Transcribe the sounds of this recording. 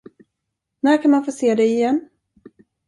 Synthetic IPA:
næːɾkʰanmanfoːseːd̪ɛɪjɛnː

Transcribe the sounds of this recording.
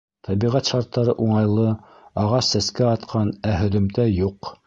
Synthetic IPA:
t̪ʰɑβiʁæt̪ʃɑɾt̪ːɑɾɤʔuɴɑjlˠɤ | ɑʁɑsːæskæɑt̪qʰɑnæɦɵ̆ðɵ̆mt̪æjuq

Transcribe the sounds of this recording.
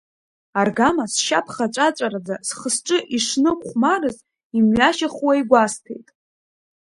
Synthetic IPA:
arɡamasʃa̰pʰχat͡ʃʷʼat͡ʃʷʼaɾad͡zasχəsʈ͡ʂʼɨʔiʂnɨkʷʰʼχʷmarɨz | imɥaʃaχwajɡʷastʰḛjtʼ

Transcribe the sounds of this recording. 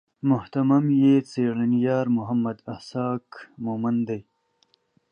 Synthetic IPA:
mʊht̪ɐmɐmjet͡seːɽɐnjɑːɾmʊɦɐmːɐd̪ɐhsɑːkmomand̪aj

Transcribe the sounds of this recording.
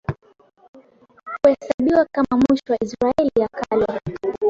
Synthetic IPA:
huhɛsaɓiwakamamwiʃɔwaisɾaɛlijakala

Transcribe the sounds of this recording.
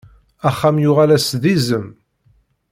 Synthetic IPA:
æχːæmjʊʁalæsðizəm

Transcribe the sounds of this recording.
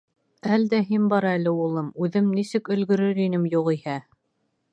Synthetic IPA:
æld̪æɦinbɑɾɑælɘulˠɤmʉðɘmnisɘkɵ̆lɡɵ̆ɾɵɾinɘmjuʁihæ

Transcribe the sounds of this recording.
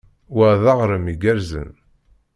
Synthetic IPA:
wæðɑʁɾəmiɡæɾzə̰n

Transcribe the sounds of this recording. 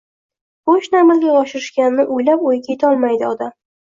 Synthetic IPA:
boʃnamɪlɡʲaɒʃɪɾɪʃkʲanɪnɪʔʊjlapojɪkʲʰet̪ʰɒlˠmajd̪ɪɒd̪am

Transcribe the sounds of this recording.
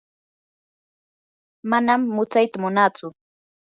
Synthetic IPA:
manamːʊt͡sajt̪amʊnat͡sʊ

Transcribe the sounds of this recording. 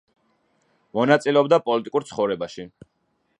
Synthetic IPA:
mɔnat̪sʼilɛɔbd̪apʼɔlit̪ʼikʼuɾt̪sʰχɔvɾɛbaʃi

